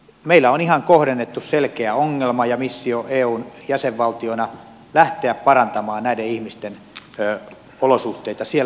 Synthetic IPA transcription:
meilːæonihɑŋkohɾenːet̪ːusselkeæoŋːelmɑjɑmisːioʔeːuːnjæseʋʋɑlt̪ionɑ | læht̪eæppɑrɑnt̪ɑmɑːnnæideihmist̪enː | olosuht̪eit̪ɑsiel

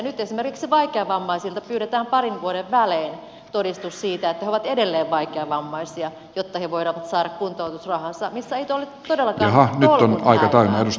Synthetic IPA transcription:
nyt̪esimerkiksiʋɑikeɑʋɑmːɑisilt̪ɑpyːɾet̪æːmpɑrinʋuoɾeʋʋæleːn | t̪odist̪ussiːt̪æet̪ːæheoʋɑt̪edelːeːʋʋɑikeɑʋɑmːɑisiɑ | jot̪ːɑheʋoiɾɑʋɑt̪sɑːɾɑkkunt̪out̪usrɑhɑsɑmisːæeit̪olːet̪odelːɑkɑɑhɑnyt̪ːonɑikɑt̪ɑynɑeus

